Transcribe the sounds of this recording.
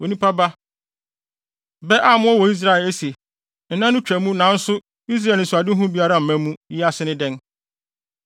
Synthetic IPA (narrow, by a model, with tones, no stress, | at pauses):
wo˨nĩ˦pʰa˦ba˦ | bɛ˦ʔa˦mʊ̃˦ɔ˦wɔ˨i˦s̬ɾa˦ɛ˨le˦se˨ | n̩˨nã˦nʊ̃˦t͡ɕᶣæ˨mũ˦nã˨˦n̩˦sʊ˦ | i˦s̬ɾa˦˨nɪ̃˨sa˨dɪ˦ɦʊ̃˦bi˦a˦ɾa˦m̩˨mæ̃˦mũ˦ji˦a˦sɪ˦nɪ̃˦dɛ̃˦n